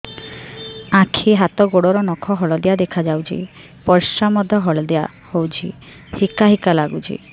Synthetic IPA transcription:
ãkʰiɦat̪ɔɡoɽɔɾɔnɔkʰɔɦɔɭɔd̪ejad̪ekʰad͡ʒawt͡ʃʰḭ | pɔɾʃamɔd̪ʱːɔɦɔɭɔd̪ea̰ | howt͡ʃʰḭ | hikaɦikalaɡut͡ʃʰḭ

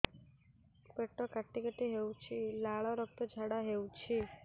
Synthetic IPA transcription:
peʈːɔkaʈːikəʈiɦewt͡ʃʰilaɭɔɾɔk̚t̪ɔd͡ʒʱaɽaɦewũt͡ʃʰi

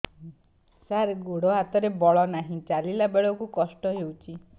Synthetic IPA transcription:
saɾɡoɽɔɦat̪ɔɾebɔɭɔnaɦĩt͡ʃalilabeɭɔkukɔsʈɔɦewt͡ʃʰi

